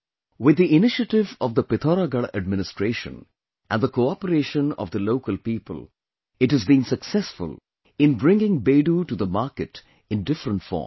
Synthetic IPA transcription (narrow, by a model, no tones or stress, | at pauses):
wɪd̪ːiʔɪnɪʃəʈɪvɔvd̪əpɪt̪ʰɔɾaɡəɭə̰ɖ̚mɪnɪsʈɾeːʃə̰̃n | ʔæ̰̃nd̪əkoɔpəɾeːʃə̃nɔ̰vd̪əloːkəlpiːpə̰l | ɪʈhɨzbĩnsəksɛsfʊ̰l | ɪ̃nbɾɪ̃ŋɡɪ̃ŋbeːɖuːʈuðəmaːkɨʈ | ɪ̃nɖɪfɾə̃nʈfɔ̰ːm